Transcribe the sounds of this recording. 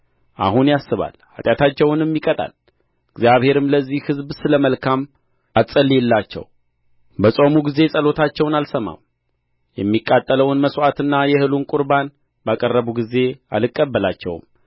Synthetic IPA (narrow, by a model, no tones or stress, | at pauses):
ʔa̰hunjasːɨβa̰lha̰t̪ʼjat̪ʰat͡ʃːɛwnɛmːikʼət̪ʼa̰l | ɨɡzjaβhe̞ɾɨmləzːihhɨzbsɨləməlkʰam | at͡sʼːəlːiɛlːat͡ʃːɛ̰w | bəsʼo̞muɡize̞sʼəlo̞t̪ʰat͡ʃːɛwnalsəma̰m | jɛmːikʼːat̪ʼːələwnməswat̪ɨnːajɛhɨlunkʼʊɾban | bakʼərːəβuɡize̞alɨkʼːəbːəlat͡ʃːɛ̰w̰m